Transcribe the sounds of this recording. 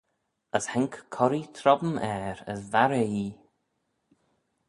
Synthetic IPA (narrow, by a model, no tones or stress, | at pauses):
əshɛŋkkʰːɔɾit̪ʰɾɔbmɛːɾə̰zvaɾei